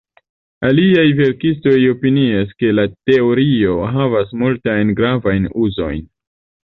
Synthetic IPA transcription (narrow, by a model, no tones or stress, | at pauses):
aliajve̞ɾkisto̞jo̞piniaske̞late̞o̞ɾio̞ɦavasmultajnɡɾavajnuzo̞̰jn